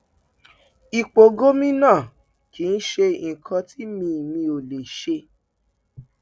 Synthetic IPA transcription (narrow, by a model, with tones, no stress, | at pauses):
i˨k͡po˨ɡo˦mĩ˦nãː˦˨ | ki˨˦n̩˦ʃe˧˨ĩ˨kʰã˧ti˦mĩ˧˨mĩ˧o˨le˨ʃe˧